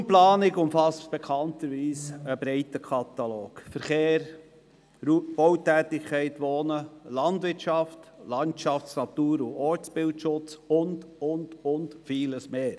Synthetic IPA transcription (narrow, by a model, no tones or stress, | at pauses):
mplɑːnɪɡʊmfɑstb̥ɛkʰɑntəɾʋiːsəbɾɛɪtəkʰɑt̪ɑloːkfəɾχeːɾ | ɾub̥ɔwtæːtɪkʰːɛɪtʋɔːnəlɑndʋɪtʃɑftlɑntʃɑfsnɑt̪uːɾuɔɾt͡sbɪltʃʊt͡sʊndʊndʊntfiːləsmeːɾ